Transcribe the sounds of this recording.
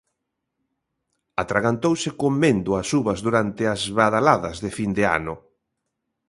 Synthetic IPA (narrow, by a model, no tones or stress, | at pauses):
at̪ɾaɣant̪owsɪkomːend̪ʊasuβɐzðuɾant̪ɪazβaðalaðɐzðɪfind̪ea̰nʊ